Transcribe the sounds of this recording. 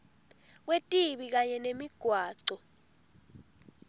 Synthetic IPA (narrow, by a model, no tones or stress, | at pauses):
k̬wetʼiɓik̬aɲɛnemiɡ̥ʱwaːǀɔ